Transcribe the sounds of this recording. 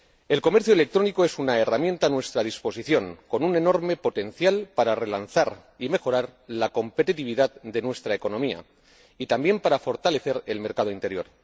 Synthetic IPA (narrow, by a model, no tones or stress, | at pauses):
e̞lko̞me̞ɾθjoele̞k̚t̪ɾo̞niko̞e̞sunae̞ramje̞nt̪aːnwe̞st̪ɾaðispo̞siθjo̞ŋko̞nune̞no̞ɾme̞po̞t̪e̞nθjalpaɾare̞lanθaɾ | ime̞xo̞ɾaɾlako̞mpe̞t̪it̪iβiðaðd̪e̞nwest̪ɾaeko̞nõ̞mia̰ | it̪ambje̞mpaɾafo̞ɾt̪ale̞θe̞ɾe̞lme̞ɾkað̞o̞int̪e̞ɾjo̞̰ɾ